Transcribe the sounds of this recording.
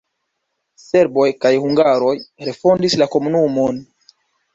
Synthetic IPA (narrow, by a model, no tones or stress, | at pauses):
se̞ɾbo̞jkajhuŋɡaɾo̞jɾe̞fondislako̞munumo̞n